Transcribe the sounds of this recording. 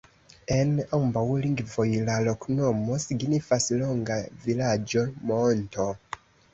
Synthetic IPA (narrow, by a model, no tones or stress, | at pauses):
e̞nambawliŋɡvo̞jlalo̞kno̞mo̞siɡnifaslo̞ŋɡavilad͡ʒo̞monto̞